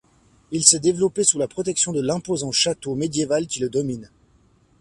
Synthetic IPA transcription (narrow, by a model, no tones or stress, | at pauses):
ilsɛd̪evlɔpesulapχɔt̪ɛksjɔ̃d̪əlɛ̃pozɑ̃ʃat̪omed̪jevalkʲiləd̪ɔmin